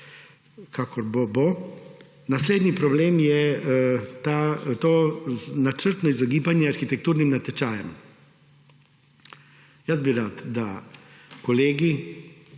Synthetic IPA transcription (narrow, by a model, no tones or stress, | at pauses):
kʰakɔɾbobo | nasleːd̪nipɾɔbleːmjɛ | t̪at̪onat͡ʃəɾt̪nɔizɔɡiːbanjɛaɾxit̪ɛk̚t̪uːɾnimnat̪ɛt͡ʃaːjɛm | jəzbiɾat̪d̪a | kɔleːɡi